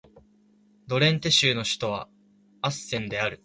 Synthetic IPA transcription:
d̪o̞ɾẽ̞nt̪e̞ɕɨːno̞ɕi̥t̪o̞β̞a̰ | asːẽ̞nd̪e̞aɾɯ̟

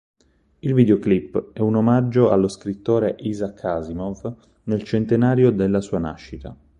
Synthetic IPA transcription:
ilvid̪eoklipːɛunomad͡ʒːoa̰lːoskɾit̪ːoːɾeʔizakʰːazimov | nelt͡ʃent̪enaːɾjod̪elːasuːana̰ʃːit̪a̰

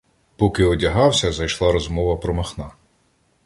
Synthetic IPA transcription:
pɔkɪɔdʲɐɦɑwsʲɐzɐjʃlˠɑɾɔzmɔʋɐpɾɔmɐxnɑ

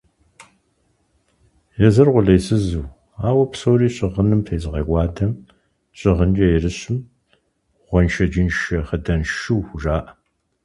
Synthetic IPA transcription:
jɛzɨrʁʷʊɮɐjsɨzuː | aːwɐpsoːriːɕʼɪʁənɨmfʰeːzʼɨʁɐɡʷaːdɐm | ɕʼɪʁənd͡ʒɐjrɨɕɪm | ʁ̥ʷɔnʃɐd͡ʒɪnʃɐχədɐnʃuwxʷʊʒaːʔɐ

